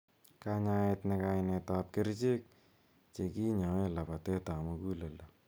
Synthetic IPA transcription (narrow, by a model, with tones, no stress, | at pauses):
ka˧ɲa˧e˧tne˧ka˧ɪne˧ta˦p̚ke˦ɾt͡ʃe˦k̚ | t͡ʃe˨ki˦ɲɔ˨e˦la˨pa˨te˦ta˨mu˧ku˦le˨lo˨